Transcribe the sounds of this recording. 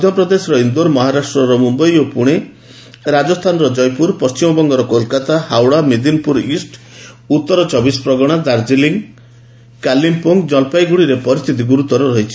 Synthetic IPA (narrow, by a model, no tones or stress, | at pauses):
mɔd̪ʱjɔpɾɔd̪esɔɾɔind̪oɾmɔɦaɾasʈɾɔɾɔmumbɔjopuɽ̃e | ɾad͡ʒɔst̪ʰanɔɾɔd͡ʒɔjpuɾpɔst͡ʃimɔbɔŋɡɔɾɔkolkat̪ahawɽamed̪inpuɾisʈ | ut̪ːɔɾɔt͡ʃɔbispɾɔɡɔɽ̃ad̪aɾd͡ʒiliŋ | kalimpoŋɡd͡ʒɔlpajɡuɽiɾepɔɾist̪ʰit̪iɡuɾut̪ɔɾɔɾɔɦit͡ʃʰi̥